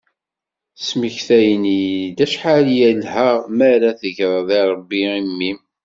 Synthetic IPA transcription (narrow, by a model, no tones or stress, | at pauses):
sməçθæjnid̪æʃħaljælhæʁmæɾæθəʝɾˤɑðˤiɾˤəbːiimːim